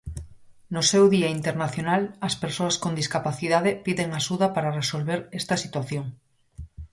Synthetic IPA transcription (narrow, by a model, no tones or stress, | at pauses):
nosewðiaint̪eɾnaθjonalɐspeɾsoaskond̪iskapaθiðaðepiðeŋaʃuðapaɾaresolβeɾest̪asit̪waθjoŋ